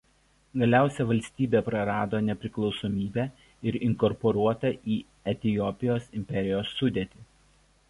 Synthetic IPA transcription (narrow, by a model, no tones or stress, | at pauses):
ɡɐlʲæˑʊsʲɛʋɐlʲsʲt̪ʲiːbʲeːpɾɐɾɑːd̪oːnʲɛpʲɾʲɪklˠɒʊsɔmʲiːbʲæː | ɪɾɪŋkɔɾpɔɾuɔt̪ɐʔiː | ɛt̪ʲɪjɔpʲɪjoːsɪmʲpʲɛɾʲɪjoːsːʊd̪ʲet̪ʲɪː